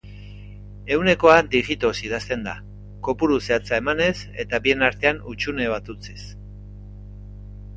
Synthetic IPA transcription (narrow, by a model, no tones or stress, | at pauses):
e̞wne̞ko̞and̪iʝit̪o̞sið̞ast̪e̞nd̪a̰ | ko̞puɾuse̞at͡sae̞mane̞s | e̞̰t̪aβie̞naɾt̪e̞anut͡ʃune̞βat̪ut͡sis